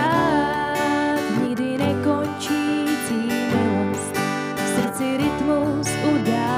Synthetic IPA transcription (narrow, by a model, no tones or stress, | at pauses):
a | ɲɪɡdɪnɛkont͡ʃit͡siɛs | fsr̩t͡sɪɾɪt̪mowsuda